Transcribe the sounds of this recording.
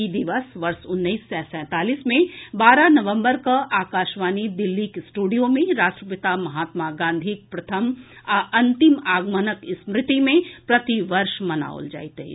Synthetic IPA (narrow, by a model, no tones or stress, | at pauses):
id̪ɪʋəsʋɐɾʃʊnːəiːsːɛsɛ̃ːt̪aːliːsmẽbaːɾanɐʋə̃mbəɾkaʔaːkaːʃʋaːnid̪ɪlːikesʈuːɖijomẽɾaːʃʈɾəpɪt̪amɐɦaːt̪maɡãːnd̪ʱik̚pɾɐt̪ʰəmaɐ̃nt̪ɪmaːɡmənəkɪsmɾɪt̪imẽpɾɐt̪iʋɐɾʃmɐna̰ːo̰ld͡ʒa̰ːit̪ɛ̰